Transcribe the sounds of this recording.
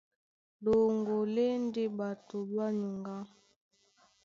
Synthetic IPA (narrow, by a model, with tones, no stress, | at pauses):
do˨ŋɡo˨le˦n˦di˦ɓa˨to˨ba˦ɲu˨ŋɡa˦